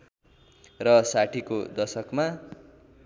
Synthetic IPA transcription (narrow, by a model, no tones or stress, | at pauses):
rʌsaʈʰikod̪ʌsʌkma